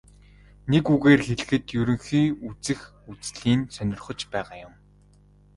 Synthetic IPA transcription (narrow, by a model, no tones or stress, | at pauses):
nekuɣeːrxeɮɘ̆xɘ̆t̪jɵɾɵ̆ŋxiːut͡sɘ̆x | ut͡sɮiːnsœnʲɪ̆rχɞ̆t͡ɕpæːʁaːjʊm